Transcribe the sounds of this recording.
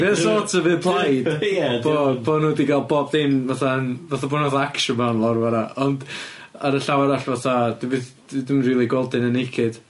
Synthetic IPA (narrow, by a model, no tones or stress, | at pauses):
mɛðəsɔtʰəvɨðpʰlˠajdɛ̥ob̥oːnuːdiɡalˠbɔbθɪnvaθanvaθabɔːnɔθaakʃɔmawnlˠɔrvaɾaɔnd | aɾəɬawaɾaɬvaθad̥ivɨðd̥ɪdɪmriːlˠiɡwɛlˠdɪnənɪkʰɪd̥